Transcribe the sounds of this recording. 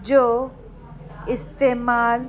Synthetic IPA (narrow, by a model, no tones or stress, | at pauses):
d͡ʑoː | ɪst̪eːmaːl